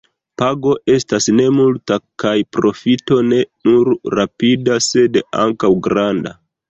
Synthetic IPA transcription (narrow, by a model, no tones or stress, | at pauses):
paɡo̞ʔe̞stasne̞multakajpɾo̞fito̞ne̞nuɾːapidase̞da̰ŋkawɡɾanda̰